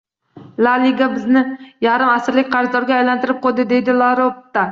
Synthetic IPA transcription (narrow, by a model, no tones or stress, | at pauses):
laliɡabɪznɪjaɾɪmasɪɾlɪkʲqʰɑɾzd̪ɒɾɡʲaːjlant̪ʰɪɾɪp̚qʰolˠd̪ɪd̪e̞jd̪ɪlaɾopt̪ːa